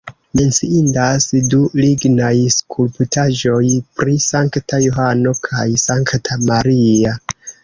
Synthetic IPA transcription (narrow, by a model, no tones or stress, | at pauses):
me̞nt͡siindasduliɡnajskʰulptaʒo̞jpɾisaŋktajoɦano̞kʰajsaŋktʰamaɾia